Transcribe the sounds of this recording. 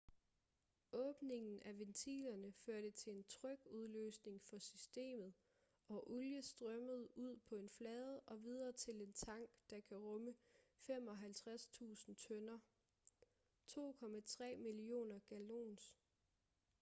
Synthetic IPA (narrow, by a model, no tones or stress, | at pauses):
ɔ̽ːb̥ne̝ŋn̩ʔæʋent͡sʰḭːlɐnəføɐɾ̥ət͡sʰe̝le̝nt͡sʰʁœɡ̥uð̞ˠlø̰ːsne̝ŋfɒ̽sysd̥e̝̰ːmð̞̩ˠ | ɒ̽ʔuljəsd̥ʁɶməð̞̩ˠuð̞̰ˠpʰɒ̽e̝nflɛːð̞ˠəʔɒ̽ʋið̞ˠɐt͡sʰe̝le̝nt͡sʰɑ̈ŋ̰ɡ̥d̥ɑ̈kʰæʁɔ̽məfem̰ɒ̽ɦælt͡sʰʁast͡sʰṵːsn̩t͡sʰœnɐ | t͡sʰo̝̰ːkʰɒ̽mæt͡sʰʁɛ̰ːmilio̝̰ːnɐɡ̥ælo̝̰ːns